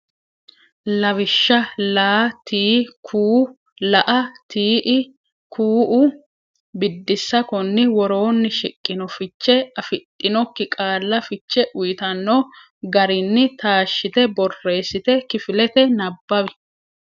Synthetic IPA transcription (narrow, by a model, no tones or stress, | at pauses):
lɐwɪʃːɐlaːt̪iːkʰuː | lɐʔɐt̪iːʔɪ | kʰuːʔʊ | bɪd̪ːɪsːɐkɔnːɪwɔɾo̞ːnːɪʃɪkʼːɪnɔfɪt͡ʃːɛɐfɪt̪ʼːɪnɔkːɪkʼaːlːɐfɪt͡ʃːɛʔʊjɪt̪ɐnːo | ɡɐɾɪnːɪt̪ʰaːʃːɪt̪ɛbɔrːe̞ːsɪt̪ɛkɪfɪlɛt̪ɛnɐbːɐbɪ